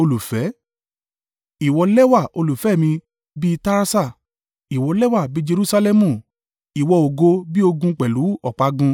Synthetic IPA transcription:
o˧lu˨fɛ˨˦ | i˨wɔ˨˧lɛ˦wa˦˨o˧lu˨fɛ˨˦˨mĩ˧ | bi˦˧ta˦ɾa˦sa˦˨ | i˨wɔ˨˧lɛ˦wa˦˨bi˦d͡ʒe˧ɾu˦sa˧lɛ˦mũ˦˨ | i˨wɔ˧o˨ɡo˧bi˦o˧ɡũ˧k͡pɛ˨lu˨˦ɔ˦˨k͡pa˧ɡũ˧

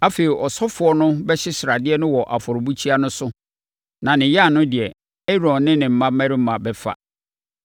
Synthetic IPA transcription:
a˦fe˨ɾi˨ʔɔ˨sɔ˦fʊ˨ɔ˦nʊ̃˦bɛ˦ɕɪ˦sɪ˨ɾa˨dɪ˦ɛ˦nʊ̃˦wɔ˨ʔa˨fɔ˨ɾʊ˨bu˦t͡ɕʰi˦a˦nʊ̃˦sʊ˦ | nã˨nɪ̃˨ja˦˨nʊ̃˦dɪ˨ɛ˨ | ɛ˦ɾɔ̃˨nːɪ̃˦nɪ̃˨m̩˦mã˦m˦mæ̃˦ɾɪ˦m̩˦mã˨bɛ˦fa̰˦˨

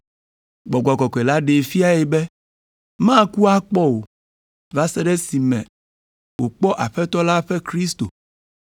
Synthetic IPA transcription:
ɡ͡bɔ˨ɡɔ˨ɡɔ˨kɔ˨e˨la˦ɖe˨fi˦a˦jɛ˨bɛ˦ | mã˦ku˦a˦k͡pɔ˦wo˨ | va˦sɛ˦ɖɛ˦si˨mɛ̰̃˨ | wo˨k͡pɔ˦ʔa˨ɸɛ˦t̪ɔ˦la˦ɸɛ˦kɾi˦st̪o̰˨

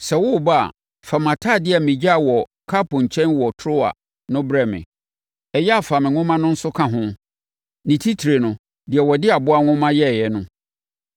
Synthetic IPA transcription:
sɛ˨wʊ˦˨ba˦a̰˨ | fa˨mã˨tʰa˦˨dɪ˦a˨mĩ˨d͡ʑa˦˨wɔ˨kʰa˦pʊ̃˨ɲ̩˨t͡ɕʰɛ̃˦nwɔ˨tʰɾʊ˦a̰˨ | nʊ̃˦bɾɛ˦mɪ̰̃˨ | ɛ˨jɛ˦a˨fa˨mɪ̃˨ŋʊ̃˦mã˦nʊ̃˦n̩˦sʊ˦kʰã˦ɦʊ̃˦ | nɪ̃˨tʰi˦tʰi˨ɾe˨nʊ̃˨ | dɪ˨ɛ˨wɔ˨dɪ˦a˨bʊ˦a˦ŋʊ̃˦mã˦jɛ˦˨jɛ˦nʊ̃˦

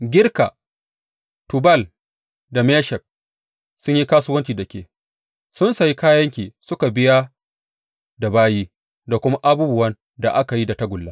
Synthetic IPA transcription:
ɡʲɪ˦ɽka̰˨ | tʊ˨bɐ˦˨l | da˨mɛː˦ʃɛ˨k̚ | sʊ˦ɲji˦kaː˦sʊ˦wɐ˦nt͡ʃiː˨da˨kʲḛː˨ | sʊ˦nsa˨ji˦kaː˦jɐ˦ŋkʲiː˨sʊ˦ka˨bɪ˦ja˦ | da˨baː˦jiː˦ | da˨kʷʊ˦ma˦ʔa˦buː˦bʊ˦wɐ˦n | da˨ʔa˦ka˨ji˦da˨ta˦ɡʷʊ˨lːaː˦

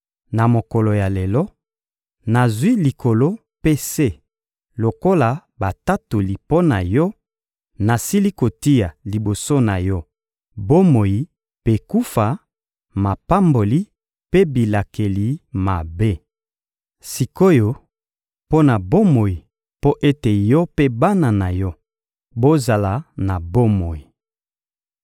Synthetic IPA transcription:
na˨mo˨ko˨lo˨ja˨le˨lɔ˦ | na˨zwi˦li˨ko˨lo˦ | pe˦se˦˨ | lo˨ko˦la˨ba˨ta˦to˨li˨po˦na˨jɔ˦ | na˨si˦li˦ko˨ti˦ja˨li˨bo˨so˦na˨jɔ˦ | bo˦mo˨ji˨ | pe˨ku˦fa˨ | ma˨pa˦mbo˨li˦ | pe˦bi˨la˨ke˨li˨ma˨be˦ | si˨ko˦jo˨ | po˦na˨bo˦mo˨ji˨ | po˦ʔe˦te˨jɔ˦pe˦ba˦na˨na˨jɔ˦ | bo˦za˨la˨na˨bo˦mo˨ji˨

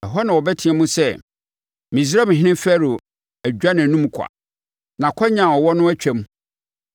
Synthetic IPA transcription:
ɛ˨ɦɔ˦nã˨wɔ˨bɛ˦tʰĩ˦ɛ˦mũ˦sɛ˦˨ | mĩ˨zɾa˦mɪ̃˨ɦɪ̃˦nɪ̃˦fæ˦ɾo˨ | æ˨d͡ʑᶣa˦nã˨nũ˦m˨kʰa̰˨ | nã˨kʰɔ˦ɲã˨ɔ˨wɔ˦nʊ̃˦æ˦t͡ɕᶣɛ˦m˦

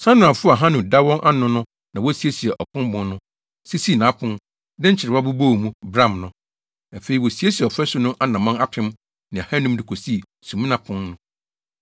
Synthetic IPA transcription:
sã˦nʊ̃˨a˨fʊ˦˨a˨ɦã˦nʊ̃˨da˦wɔ̃˦nʔa˦nʊ̃˦nʊ̃˦ | nã˨wɔ˦si˦e˦si˨ɛ˨ʔɔ˨kʰʊ̃˦m˦bʊ̃˨nnʊ̃˦ | si˦si˦˨nãː˨˦pʰʊ̃˦n | dɛ̃˦ɲ̩˦t͡ɕʰɪ˨ɾɪ˨a˦bu˦bo˦˨mũ˦bɾã˦˨mnʊ̃˨ | a˨fe˨ɾi˨wɔ˨si˨e˦si˨ɔ˨fɛ˦sʊ˦nʊ̃˦ʔa˦nã˨mã˦na˦tʰɪ̃˦m | nɪ̃˨a˨hã˦nʊ̃˦mdɪ˨kʰo˨si˦˨ | sũ˨mĩ˦nã˦pʰʊ̃˦nːʊ̃˦

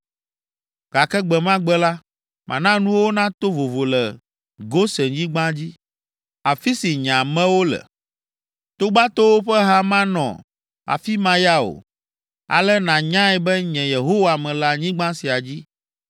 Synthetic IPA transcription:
ɡ̥a˨kɛ˦ɡ͡bɛ˨mã˦ɡ͡bɛ˦la˦ | mʔã̰˨nã˦nũ˦wo˦nã˦t̪o˦vo˨vo˨lɛ˨ | ɡo˦sɛ˨ɲĩ˦ɡ͡bã˦d͡ʑi˦ | a˨fi˦si˨ɲã˨mɛ̃˦wo˦lɛ̰˨ | t̪o˦ɡ͡ba˦t̪o˦wo˦ɸɛ˦ɦa˦mã˦nɔ̰̃˨ | a̰˨fi˦mã˦ja˦o̰˨ | a̰˨lɛ˦nã˨ɲã˦ɛ˨bɛ˦ɲɛ̃˨je˨ɦo˦wa˨mɛ̃˨la˨ɲĩ˦ɡ͡bã˦si˨a˨d͡ʑi˦

